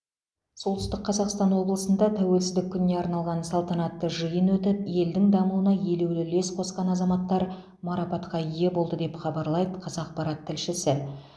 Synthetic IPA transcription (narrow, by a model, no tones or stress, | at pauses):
solˠt̪ʏ̥st̪ɪq̚qʰːɑzɑqst̪ɑnwo̞blˠəsənd̪ɑt̪ʰæwe̞lsɪzd̪ɪkʲʰːʏnːe̞ɑɾnɑlˠʁɑnsɑlˠt̪ɑnɑt̪ːəʒəjənwɵt̪ɪpje̞ld̪ɪŋd̪ɑmuənɑje̞lewlɪle̞sqʰo̞sqɑnɑzɑmɑt̪ːɑɾ | mɑɾɑpɑt̪qɑje̞bo̞lˠd̪əd̪e̞pχɑbɑɾlˠɑjd̪əqʰɑzɑq̚pɑɾɑt̪ʰːɪlʃɪsɪ